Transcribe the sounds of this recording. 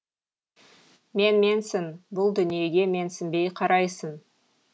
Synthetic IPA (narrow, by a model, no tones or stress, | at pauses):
me̞nme̞nsɪnbʊlˠd̪ʏnije̞ɡʲe̞me̞nsɪnbe̞jqʰɑɾɑjsən